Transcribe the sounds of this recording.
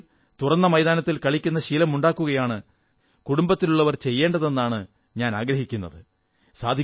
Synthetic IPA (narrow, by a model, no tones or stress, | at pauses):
t̪urɐnːɐmɐjdðaːnɐt̪ːilkɐɭikʲːunːɐɕilɐmuɳɖaːkːuɣɐjaːɳɨ | kuɽumbɐt̪ːiluɭːɐʋɐrt͡ɕe̞jːe̞ːɳɖɐðe̞nːaːɳɨ | ɲaːnaːɡɾɐɦikʲːunːɐ̰ðɨ | saːd̪ʱi